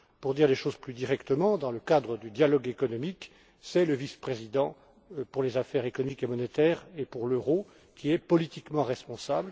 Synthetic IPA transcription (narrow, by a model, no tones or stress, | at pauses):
puʁd̪iʁleʃozplyd̪iʁɛkt̪əmɑ̃d̪ɑ̃ləkad̪ʁəd̪yd̪jalɔɡekɔnɔmik | sɛləvispχezid̪ɑ̃ | puʁlezafɛʁekɔnɔmikemɔnet̪ɛʁepuʁløʁo | kʲiɛpɔlit̪ikmɑ̃ʁɛspɔ̃sabl